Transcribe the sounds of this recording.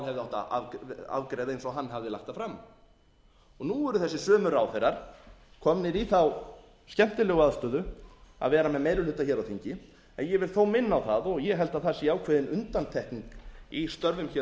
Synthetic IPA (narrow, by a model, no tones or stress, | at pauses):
lɦɛvðawht̪a̰a̰a̰vkɾɛːðaejnsɔɦanːɦavðɪla̰ht̪afɾam | ɔɣnuɛɾʏθɛsːɪsœːmʏɾaːwθɛɾaɾ̥kʰɔmnɪɾiθaw | scɛm̥t̪ɪlɛːɣʏaðst̪œːðʏa̰ðvɛːɾamɛðmeːjɾʏlʏːt̪açɛɾawθiɲcɪ | ɛ̰njɛɣvɪlθowmɪnːaawθaðɔɣjɛɦɛlt̪aðθasːɪaːwkʰvɛːðɪnʏnt̪ant̪ʰɛhkniŋkist̪œɾvʏmçɛ